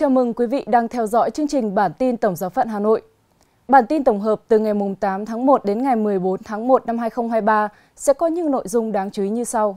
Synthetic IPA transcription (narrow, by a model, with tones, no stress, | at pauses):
t͡ɕaː˨˦mɨ˧˩ŋkwi˨˦vḭ˧˨ɗaː˧ŋt̪ʰɛ˧wzɔ̰˧˥jt͡ɕɨ˧əŋt͡ɕï˨˩ŋ̟ɓaː˧˩nt̪i˧nt̪ə˧˩wŋ͡mzaː˨˦wfa̰ː˧˨nɦaː˨˩no̰˧˨j | ɓaː˧˩nt̪i˧nt̪ə˧˩wŋ͡mɦəː˨˩p̚t̪ɨ˨˩ŋa˨˩jmʊ˨˩ŋ͡mt̪aː˨˦mt̪ʰaː˨˦ŋmo˨˩t̚ɗe˨˦nŋa˨˩jmɨ˨˩əjɓo˨˦nt̪ʰaː˨˦ŋmo˨˩t̚na˧mhɦaː˧jxə˧wŋ͡mɦaː˧jɓaː˧ | sɛ̰˧˥kɔ˨˦ɲɨ̰˧˥no̰˧˨jzʊ˧ŋ͡mɗaː˨˦ŋt͡ɕwi˨˦ɲɨ˧sa˧w